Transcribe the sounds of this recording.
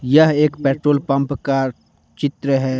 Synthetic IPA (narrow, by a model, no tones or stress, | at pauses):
jɐɦeːkpɛːʈɾoːlpɐ̃mpka | t͡ʃɪt̪ɾəɦɛː